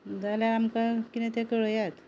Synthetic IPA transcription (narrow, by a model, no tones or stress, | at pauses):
d͡zaljaamkakinɛ̃t̪ɛ̃kəɭəjat̪